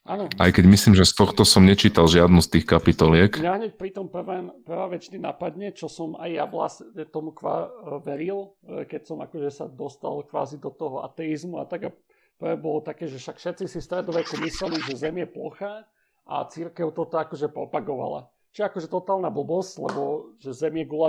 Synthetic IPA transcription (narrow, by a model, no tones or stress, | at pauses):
ʔanɔʔajkɛɟmisliːmʒɛst̪ɔxt̪ɔsɔmɲɛt͡ʃiːt̪alʒɪad̪nust̪iːxkapit̪ɔlɪɛknaɦɲɛc̚pɾit̪ɔmpr̩ʋɛːmpr̩ʋɛːʋɛt͡ʃnina̰pad̪ɲɛt͡ʃɔsɔmajːa̰ʋla̰sɲɛt̪ɔmukʋa̰ʋɛɾilˠkɛcsɔma̰kɔʒɛsad̪ɔst̪a̰lkʋa̰ːzid̪ɔt̪ɔɦɔa̰t̪ɛizmua̰t̪aɡa | pr̩ʋɛːbɔlɔt̪akɛːʒɛfʃakfʃɛt̪t͡sisifst̪ɾɛd̪ɔʋɛkumislɛliʒɛzɛmjɛplɔxa | ʔa̰t͡siɾkɛʊt̪ɔt̪ɔakɔʒɛpɾɔpaɡɔʋa̰la̰ | t͡ʃiɛakɔʒɛt̪ɔt̪aːlˠnabl̩bɔsclɛ̰bɔʒ̥ɛzɛmjɛɡula